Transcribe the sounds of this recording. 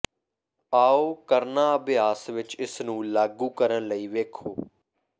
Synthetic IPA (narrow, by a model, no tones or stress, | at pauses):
aːoːkəɾnaːəbɪjaːsʋɪt͡ʃɪsnũːlaːɡuːkəɾənləiːʋeːkʰoː